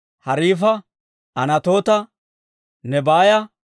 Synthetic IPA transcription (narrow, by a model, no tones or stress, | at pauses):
hɐɾiːfɐ | ɐnɐt̪o̞ːt̪ɐ | nɛbaːjɐ